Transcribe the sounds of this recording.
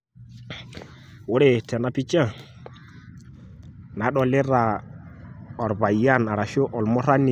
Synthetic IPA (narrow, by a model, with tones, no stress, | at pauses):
wo˦ɾe˦˨tɛ˨na˦pi˦t͡ʃa˦ | na˨˦ɗɔ˨le˦ɾa˨ | ɔ˨ɾba˨ja˦na˨ɾa˨ʃo˦ʔɔ˨lmɔ˦ɾa˦ni˨